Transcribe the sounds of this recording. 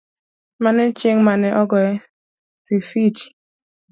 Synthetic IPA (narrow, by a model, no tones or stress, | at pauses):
manɪt͡ʃeŋ̩manɪʔɔɡɔe | fifit͡ʃi̥